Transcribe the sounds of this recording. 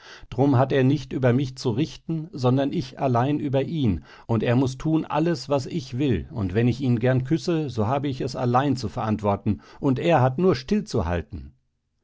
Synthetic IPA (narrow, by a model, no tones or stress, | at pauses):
d̥ʁʊmɦateːɐnɪçtʔyːbɐmɪçt͡suʁɪtn̩zɔndɐnʔɪçalaɪnʔyːbɐʔiːn | ʔʊnteːɐmʊstʰuːnʔa̰ləsv̥asɪçv̥ɪlʊntv̥ɛnɪçiːnɡɛɐnkʰʏsəzoːɦaːbəɪçɛsa̰laɪnt͡sufɛɐʔantv̥ɔɐtn̩ʔʊntʔeːɐɦatnuːɐʃtɪlt͡suha̰ltn̩